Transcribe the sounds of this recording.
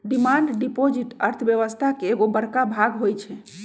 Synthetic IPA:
ɖimaɳɖɖipod͡ʒiʈəɾt̪ʰəbjəʋəst̪ʰakeːɡobəɾkabʱaɡɦojt͡ʃʰɛ

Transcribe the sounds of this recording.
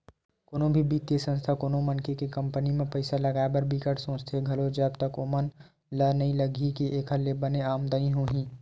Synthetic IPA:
koːnõbʱibit̪jesə̃nst̪ʰakoːnõmənkekekɐ̃mpənimẽpɐɪsalɐɡaːebɐɾbʱikəʈsõːt͡ʃt̪ʰeɡʱɐlod͡ʒəbt̪əkomən | lənɐɦĩləɡʱikiʔeːkʰəlebəneaːmd̪aĩɦoːɦĩː

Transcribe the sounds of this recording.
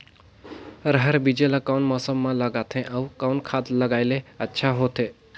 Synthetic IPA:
ɾəɦəɾbid͡ʑelakawnmɔsəmːaləɡat̪ʰẽʔawkawnkʰat̪ləɡajleətːɕʰaɦot̪e

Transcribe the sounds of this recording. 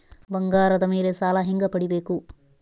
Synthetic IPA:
bɐŋɡaːɾɐd̪ɐmiːleːt͡ʃaːlaːɦiŋɡɐpɐɽibeːku

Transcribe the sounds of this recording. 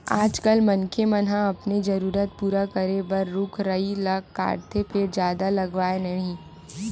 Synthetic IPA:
aːd͡ʒkəlmɐnkʰemɐnɦãɐpned͡ʒɐɾuːɾət̪̚puːɾakɐɾebɐɾːʊkʰɾɐilɐɡkːa̰ːɾt̪ʰepʰɪɾd͡ʒjaːd̪alɐɡʋaːenɐɦĩ

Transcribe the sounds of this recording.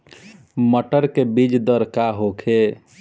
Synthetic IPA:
məʈəɾkebid͡ʒd̪əɾkaɦokʰe

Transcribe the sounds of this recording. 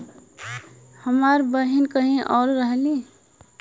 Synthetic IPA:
həmaɾbəɦinkəɦĩʔɔːɾːəɦli

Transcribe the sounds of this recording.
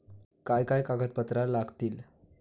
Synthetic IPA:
kajkajkaɡət̪̚pət̪ɾalaɡt̪iːl

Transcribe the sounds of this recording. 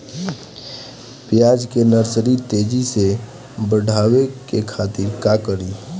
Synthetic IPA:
pjaːd͡ʒkenəɾsəɾit̪eːd͡ʒise | bəɽʱaːwekekʰaːt̪ɪɾkaːkəɾiː

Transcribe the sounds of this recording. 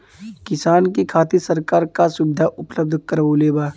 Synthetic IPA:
kɪsaːnkikʰaːt̪isəɾkaːɾkasʊbɪd̪ʱaʔʊpləb̚d̪ʱkəɾʋoleːbaː

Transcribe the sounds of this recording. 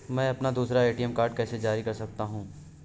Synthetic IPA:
mɛ̃ːɐpnad̪uːsɾaeːʈiɛmkaːɾɖkɛːsed͡ʒaːɾikɐɾsɐk̚t̪aɦũː

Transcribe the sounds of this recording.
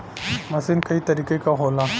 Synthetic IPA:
masinkaitadikajkaɦola

